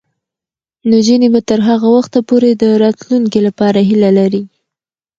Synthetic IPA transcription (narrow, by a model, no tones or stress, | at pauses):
nod͡ʒinibat̪əɾɦaɣawaxt̪apoɾed̪əɾɑt̪luŋkilapɑɾaɦilalaɾi